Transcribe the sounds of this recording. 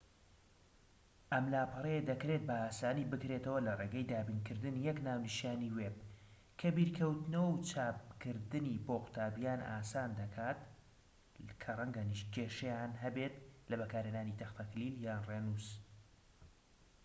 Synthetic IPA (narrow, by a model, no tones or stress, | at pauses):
ʔɐmlaːpʰɨreed̪ɐkɾe̞t̪̚bɐaːsaːniːbɨkɾeːt̪ɐwɐlɐreːɡɐjd̪aːbiːnkɨɾd̪ɨnijɛknaːwnɨʃjaːniweb̚ | kʰɐbiːɾkʰɐwt̪nɐwwt͡ʃʰaːp̚kɨɾd̪ɨniboːqʊ̥t̪ʰaːbijaːnʔa̰ːsaːnd̪ɐkʰaːt̪ | kʰɐrˤɐŋɡaniʃkʰeːʃɛjaːnɦɐbet̪lɐbɐkaːɾheːnaːnit̪ʰɐxt̪ʰakliljaːnreːnuːs